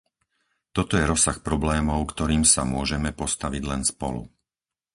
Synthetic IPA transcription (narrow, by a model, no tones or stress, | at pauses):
t̪ɔt̪ɔjɛɾɔsaxpɾɔblɛːmɔʊkt̪ɔɾiːmsamʊɔʒɛmɛpɔst̪aʋiɟlɛnspɔlṵ